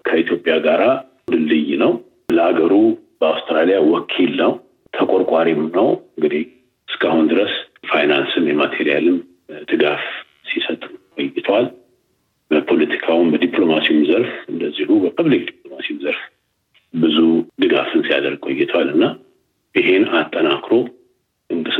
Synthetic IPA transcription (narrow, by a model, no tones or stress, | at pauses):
kʰəit̪ʰjo̞pʼːjaɡaɾa | d̪ɨlɨjnəw | ləaɡəɾu | b̥əawst̪ʰɾalijawɔkʰːilnəw | t̪ʰəkʷʼoɾkʼaɾimnəwɨŋɡɨd̪ih | ɨskʰahund̪ɨɾəsfajnansɨnjɛmat̪ʰeɾijalɨm | d̪̥ɨɡaf | sisət̪ʼkʼojːɪt̪ʰwal | bəpʰo̞lət̪ʰi̥kʰawumbəd̪ipʼlo̞masijumzəɾfɨnd̪əzːihubəpʰɨβlik̚d̪ipʼlo̞masiwumzəɾf | bɨzud̪ɨɡa̰fɨnsija̰d̪əɾɡ̚kʼojːɪt̪ʰəwalɨnːa | ʔɨɦe̞nat̪ʼːənakʰɾo̞ | ʔɨnɡɨ